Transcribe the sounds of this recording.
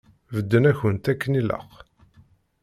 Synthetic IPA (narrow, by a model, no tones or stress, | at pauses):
vəd̪ːənæçənt̪ækːənilə̰χ